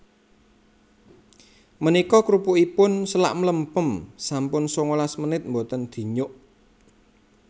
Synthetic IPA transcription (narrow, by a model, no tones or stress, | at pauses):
mənikɔkɾupʊʔipʊnsəla̰ʔmələmpəmsampʊnsoŋolasmənɪt̪̚mbot̪ənd̪̥i̤ɲʊʔ